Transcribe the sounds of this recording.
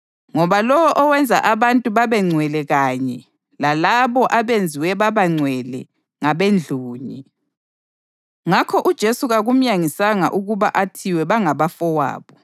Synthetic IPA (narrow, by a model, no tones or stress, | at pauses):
ŋɔβalɔwɔʔɔwɛnd͡zʱa̰ʔaβantʼuβaβɛŋ͡ǀʱwɛlɛɣaɲɛ | lalaβɔʔaβend͡zʱiwɛβaβaŋ͡ǀʱwɛlɛ | ŋaβend͡ɮʱuːɲɛ | ŋakʰɔʔud̥ʒ̥ʱesuɣaɣum̩jaŋisaŋa̰ʔuɣuβaʔatʰiwɛβaŋaβafɔwa̰ːβɔ